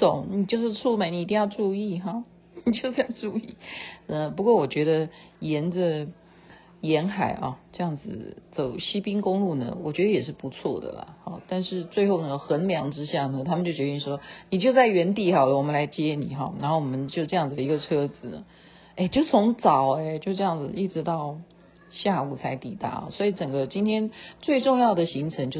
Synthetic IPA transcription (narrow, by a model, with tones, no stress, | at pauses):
t̪o˨˩˦ŋni˨˩t͡ɕjo˥˧ʊʂɻ̩˥˧t͡sʰu˥˧ma˧˥ɪni˨˧˥t̪i˥ŋjɑ˥˧ʊʈ͡ʂu˥˧i˥˩ɦɑ˥˩ | ni˨˩t͡ɕjo˥˧ʊʈ͡ʂjɑ˥˧˩ʈ͡ʂu˥˧i˥˩ə˧˩pu˧˥kwɔ˥˩wɔ˨˩t͡ɕɥɛ˧˥d̪ə˧jɛ˧˥ndə˧ | jɛ˧˥nxa˨˩ɪʔɐ̰˧ʈ͡ʂɤ˥˧jɑ˥˩ŋd͡zɹ̩˨˩t͡so˨˩ʊɕi˥pi˥ŋkʊ˥ŋlu˥˩nə̰˩wɔ˨˩t͡ɕɥɛ˧˥d̪ə˧jɛ˨˩ʂ̬ɻ̩˥˩pu˧˥t͡sʰwɔ̰˥˩d̪ə̰˩lə̰˩hɑ̰˨˩t̪a˥˧nʂɻ̩˥˧t͡swe˥ɪxo˥˩ʊnə˧ɡxə˧˥nljɑ˧˥ŋʈ͡ʂɻ̩˥ɕjɑ˥˩nə˩t̪ʰa˥m˨nt͡ɕjo˥˩t͡ɕɥɛ˧˥i˥˩ŋʂwɔ˥ni˨˩t͡ɕjo˥˧ʊt͡sa˥˩ɪɥɛ˧˥nt̪i˧˩xɑ˨˩ʊlə˧wɔ˨˩mə˦nla˧˥ɪt͡ɕjɛ˥nḭ˨˩˦xɑ̰˥˩na̰˨˧˥xo˥˩wɔ˨˩mə˦nt͡ɕjo˥˧ʊʈ͡ʂɤ˥˧jɑ˥˩ŋd͡zɹ̩˨d̪ə˩i˧˥ɡə˧ʈ͡ʂʰɤ˥d͡zɹ̩˨nə̰˩ | e˥˩ɪt͡ɕjo˥˩ʊt͡sʰʊ˧˥ŋt͡sɑ˨˩ʊe˧t͡ɕjo˥˧ʊʈ͡ʂɤ˥˧jɑ˥˩ŋd͡zɹ̩˩i˥˩ʈ͡ʂɻ̩˧˥t̪ɑ˥˩˧ʊ | ɕja˥˧u˨˩t͡sʰa˧˥ɪt̪i˨˩t̪a̰˧˥˨swɔ˧˥i˨˩ʈ͡ʂə˨˩ŋɡə˦t͡ɕi˥nt̪ʰjɛ˥nt͡swe˥˧ɪʈ͡ʂʊ˥˧ŋjɑ˥˩ʊd̪ə˩ɕi˧˥ŋʈ͡ʂʰə˧˥ŋt͡ɕjo˥˧ʊ